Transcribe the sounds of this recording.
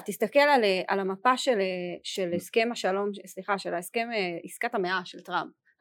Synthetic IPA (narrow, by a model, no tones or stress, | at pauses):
tist̪ake̞laleʔa̰lamapaʃeleʃeleskemaʃalo̞msliχaʃelaeske̞meiskatameaʃeltʁamp̚